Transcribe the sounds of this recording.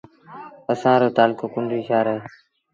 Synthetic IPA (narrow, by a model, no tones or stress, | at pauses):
əsãːɾoːt̪aːlkoːkʊnd̪iːʃʰaːɾeɦeː